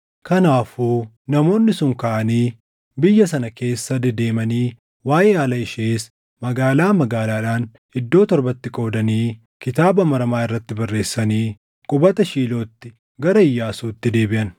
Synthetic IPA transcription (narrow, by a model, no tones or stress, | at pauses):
kɐnaːfuː | nɐmo̞ːnːɪsʊŋkɐʔɐniː | bɪjːɐs̬ɐnɐke̞ːsːɐd̪ɛd̪e̞ːmɐniː | waːʔeːaːlɐɪʃeːs | mɐɡaːlaːmɐɡaːlaːɪᶑaːn | ɪd̪ːo̞ːt̪ɔɾbɐt̪ːɪkʼo̞ːd̪ɐniː | kɪt̪aːbɐmɐɾɐmaːɪrːɐt̪ːɪbɐrːe̞ːsːɐniː | kʼʊbɐt̪ɐʃiːlo̞ːt̪ːɪ | ɡɐɾɐɪjːaːsuːt̪ːɪd̪e̞ːbɪʔɐn